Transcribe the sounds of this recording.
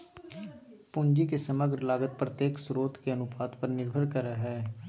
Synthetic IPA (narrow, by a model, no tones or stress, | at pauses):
pʊɲd͡ʒikesəməɡɾlaːɡət̪̚pɾət̪jeːksɾoːt̪keənʊpaːt̪pəɾnɪɾbʱəɾkəɾaɦɛː